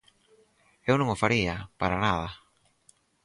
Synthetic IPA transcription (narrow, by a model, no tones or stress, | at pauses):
ewnõŋofaɾiapaɾanað̞a